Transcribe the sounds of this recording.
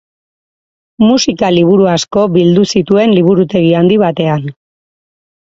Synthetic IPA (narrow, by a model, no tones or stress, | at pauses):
musikaliβ̞uɾuasko̞βild̪usit̪ue̞nliβ̞uɾut̪e̞ɣ̞iand̪iβat̪e̞an